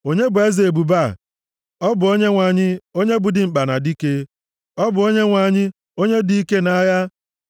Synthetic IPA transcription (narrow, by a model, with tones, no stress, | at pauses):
o˦ɲe˦bʊ˨e˦zi˨e˨bu˨ba˦˨ | ɔ˦bʊ˨o˦ɲe˦ŋʷa˨ɲɪ˦o˦ɲe˦bʊ˨dɪ˨ŋ͡m̩˨k͡pa˨na˨di˦ke˦ | ɔ˦bʊ˨o˦ɲe˦ŋʷa˨ɲɪ˦ | o˦ɲe˦di˨˦i˦ke˦na˦ja˦